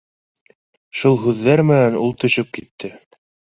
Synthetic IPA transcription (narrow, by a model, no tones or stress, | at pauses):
ʃulˠɦʉðːæɾmɘ̆nænulˠt̪ɵ̆ɕɵp̚kit̪ʰːɘ